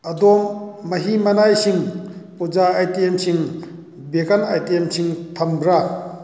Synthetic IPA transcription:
ɐdɔmːɐɦimɐnajsiŋpud͡ʒaːjtiemsiŋ | bekʰanajtiemsiŋtʰɐmbɾa

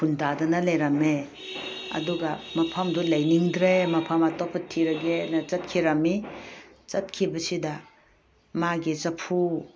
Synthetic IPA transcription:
pʰundadɐnɐlejɾɐme | ɐ̰duɡɐmɐpʰɐmdulɐjniŋdɾemɐpʰɐmɐtopʰɐtʰːiɾɐɡenɐt͡ʃɐt̚kʰiɾɐmi | t͡ʃɐt̚kʰibɐsidɐ | maɡit͡ʃɐpʰu

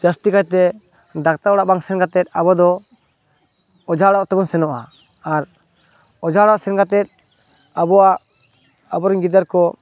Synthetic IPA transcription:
d͡ʒast̪ikajt̪ɛ | ɖak̚t̪aɔɽaʔbaŋsɛnɡat̪ɛt̪̚ˀabɔd̪ɔ | ɔd͡ʒaɽɔʔt̪ɛbɔnsɛnɔʔa̰ː | ɾ | ɔd͡ʒaɽaʔsɛnɡat̪ɛt̪̚ | abɔaʔ | abɔɾɔŋɡid̪aɾkɔ

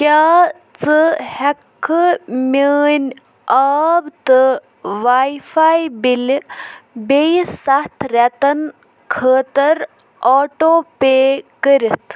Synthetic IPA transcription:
kʲaː | t͡sɨhɛkʰːɨməːnʲ | aːbt̪ɨ | ʋajfʰaːjbil | bejsɐt̪ʰɾɛt̪ɐn | kʰəːt̪əɾ | ɔːʈoːpeːkəɾit̪ʰ

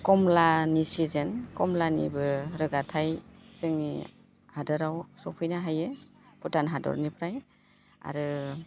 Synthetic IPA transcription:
kɔmlanisizenkɔmlanḭbɯɾɯɡatʰajz̥ɯŋni | hadɔɾawsɔpʰɯjnaɦajeputanɦadɔ̰ɾnipʰɾaj | a̰ɾɯ

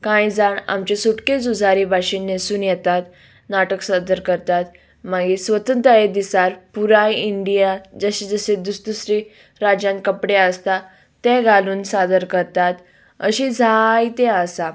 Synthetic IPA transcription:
kãjd͡zaɳa̰mt͡ɕesuʈket͡sud͡zʱaɾiːbʱaɕinːesuːnjɛt̪at̪ | naʈəksad̪əɾkəɾt̪at̪ | maɡisʋət̪ənt̪əed̪isaɾpuɾajiɳɖijad͡zəɕiːd͡zəsed̪ust̪usɾi | ɾad͡ʑãnkəpɽeəst̪a | t̪ːɛ̃ɡaluːnsad̪əɾkəɾt̪at̪ | ə̰ɕid͡zʱajt̪eəsa

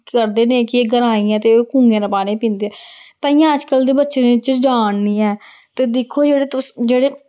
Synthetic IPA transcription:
əɾd̪eːnẽːkɪeːɡəɾaːiːɛ̃ːt̪eokũːŋɡẽːnəpaːnẽːpĩːnd̪eːɛːt̪ãːɪ̃jãːəd͡ʒkəld̪eːbətːʃeːneɪt͡ʃd͡ʒaːɳniːɛː | t̪eːd̪ekʰːoːd͡ʒeːɽeːt̪ʊsd͡ʒeːɽeː

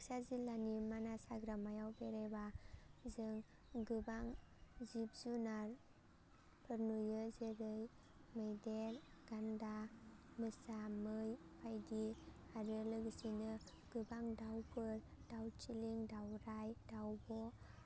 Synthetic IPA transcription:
aksazilːanimanasaɡɾamajawbeɾebazɯŋ | ɡɯbaŋ | zip̚zunaɾ | pʰɯɾnujɯzɯɾɯj | mejdelɡ̥andamɯsamɯj | pʰajdi | aɾɯlɯɡɯsinɯ | ɡ̥ɯbaŋdawpʰɯl | dawt͡ʃiliŋdawɾajdawbɔ

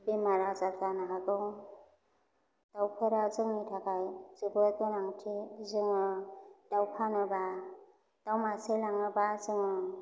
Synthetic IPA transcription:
bemaɾazaɾkanaɦaɡɯw | d̥awpʰeɾazɯŋnitʰakajzɯbɯakɯnaŋtʰizɯŋɯd̥awpʰanɯba | d̥awmaselaŋɯbazɯŋɯ

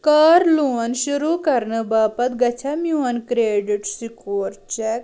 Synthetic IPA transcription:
kaːɾluːɐnʃuɾukɐɾnɨbaːpɐt̪ɡɐt͡ʃʰamjuɐnkɾeːɖiʈsikoːɾt͡ʃɛk

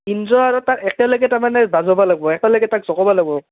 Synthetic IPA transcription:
inzɔaɹɔtatɛkɛlɔjɡɛtaɹmanɛbazɔbalaɡ̚bɔɛkɛlɔɡɛtakzɔkɔbɔlaɡ̚bɔ

